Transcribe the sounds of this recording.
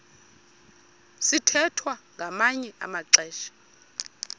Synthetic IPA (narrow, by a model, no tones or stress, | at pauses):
sitʰɛtʰwaŋɡʱamaɲɛʔa̰maǀɛːʃḁ